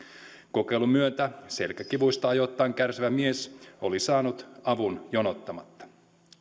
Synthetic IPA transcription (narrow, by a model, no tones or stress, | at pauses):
ko̞ke̞jlumyønt̪æse̞lkækiʋujst̪ɑɑjo̞t̪ːɑːŋkærsiʋæmieso̞lisɑːnut̪ɑʋunjonot̪ːɑmɑt̪ːɑ̥